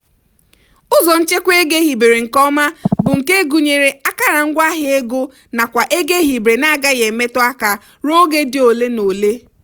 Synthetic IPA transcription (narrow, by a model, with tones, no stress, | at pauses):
ʊ˦zɔ˨n̩˦t͡ʃe˦kʷe˦ɡe˦ɦi˨be˨ɾe˨ŋ̩˨kɔ˦ma˦bʊ˨ŋ̩˨ke˦ɡu˨ɲe˨ɾe˨a˦ka˦ɾa˨ŋ̩˦ɡʷa˦ɦɪ˦e˦ɡo˦ | na˨kʷa˨ʔe˦ɡe˦ɦi˨bɾe˨na˦ɡa˦ɣe˨me˦tʊ˦a˦ka˨ | ɾo˦ɡe˦dɪ˦o˨le˦no˨le˦